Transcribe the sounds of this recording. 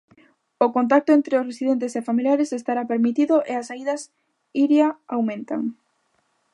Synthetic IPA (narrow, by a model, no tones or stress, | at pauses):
okont̪̬ak̚t̪ʊent̪ɾeʊsresiðent̪esefamiljaɾesest̪aɾapeɾmit̪iðʊʔeasaiðɐs | iɾjaawmẽnt̪a̰ŋ